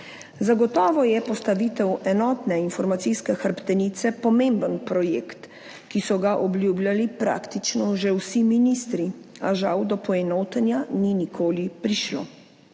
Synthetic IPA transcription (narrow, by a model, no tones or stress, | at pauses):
zaɡɔt̪ɔːʋɔjɛpɔst̪aʋiːt̪ɛwɛnɔːt̪nɛinfɔɾmat̪siskɛxəɾpt̪ɛnit̪sɛpɔmembənpɾɔjḛkt̪ | kisɔɡaʔɔblʲjuːbljalipɾa̰ːkt̪it͡ʃnɔʒɛwsiminist̪ɾiaʒawd̪ɔpɔɛnoːt̪ɛnjaninikʰoːlipɾiʃlo̰